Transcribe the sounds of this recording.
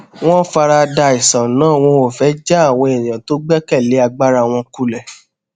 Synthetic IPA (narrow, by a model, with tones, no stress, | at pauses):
w̃ɔ̃˦fa˧ɾa˧da˧i˨sã˨nãː˦˨w̃ɔ̃˧o˨fɛ˨˦d͡ʒɛ˦a˦˨w̃ɔ̃˧e˨j̃ã˨to˨˦ɡ͡bɛ˦kɛ˦˨le˨˦a˧ɡ͡ba˦ɾa˧w̃ɔ̃˧ku˧lɛ˨